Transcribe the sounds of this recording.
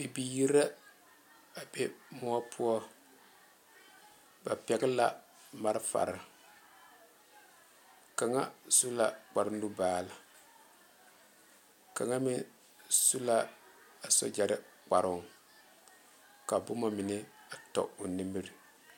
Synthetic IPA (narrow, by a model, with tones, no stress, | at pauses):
i˨bi˨ji˦ɾa˦ | a˨be˦mʊ˦ɔ˦pʰʊ˦ɔ˦ | ba˨pɛ˨ɡɪ˦la̰˨ | ma˦ɾɪ˦fa̰˨ɾɪ˦ | ka˨ŋa̰˦su˦la˨k͡pa˨ɾʊ˦ndu˦baː˦˨la˨ | ka˨ŋa˦mɪ˦ | su˦la˦ | a˨sɔ̰˦d͡ʒa˨ɾɪ˦k͡pa˨ɾʊ˦˨ŋ | ka˨bʊ˦ma˦mɪ˨nɪ˦a˨tɔ̰˨ʊ˨nɨ˦mɨ˦ɾi˨